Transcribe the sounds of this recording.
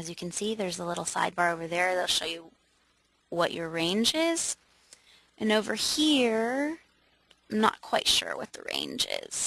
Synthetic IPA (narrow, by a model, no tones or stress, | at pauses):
ɨzjɨkʰn̩siðə˞zəlɪɾl̩ˠsa̰ɪd̚bɑɹoʊvə˞ðə˞ðeɪlˠʃoʊjɨ | wʌt͡ʃə˞ɹẽɪ̃nd͡ʒɪz̥ | ʔɨ̃noʊvə˞hiɹ | mnə̰t̚kʰw̥aɪtʃʊ̰ɹwʌ̰t̪̚ðə̰ɹḛ̃ɪ̃nd͡ʒɪ̰z̥